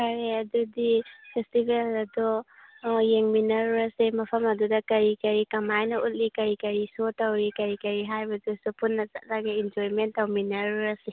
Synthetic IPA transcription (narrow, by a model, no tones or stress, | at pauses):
kaɾeɐdudipʰestibʱelɐdu | jeŋminɐɾuɾɐsemɐpʰɐmɐdudɐkɐɾikɐɾikɐmajnɐʔut̚likɐɾikɐɾisotɐwɾikɐɾikɐɾiɦajbɐdusupunːɐza̰t̚laɡeind͡ʒoɾimentːɐwminɐɾuɾɐse